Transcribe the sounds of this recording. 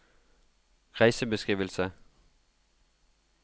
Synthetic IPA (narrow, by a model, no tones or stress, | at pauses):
ʁæɪsəbəskʁiːʋəlsə